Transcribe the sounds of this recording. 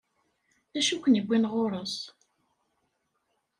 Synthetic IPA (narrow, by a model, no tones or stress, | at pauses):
θæʃukʷənəɡʷːinʁoɾˤəs